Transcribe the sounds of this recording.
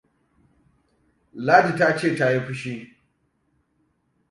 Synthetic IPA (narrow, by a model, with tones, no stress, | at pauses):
laː˦di˨ta˦t͡ʃeː˦˨ta˦ji˦ɸʷʊ˦ʃi˦